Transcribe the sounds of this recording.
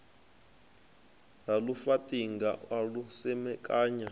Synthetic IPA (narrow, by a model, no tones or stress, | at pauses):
lalufatʼiŋɡawalusɛmɛkʼaːɲa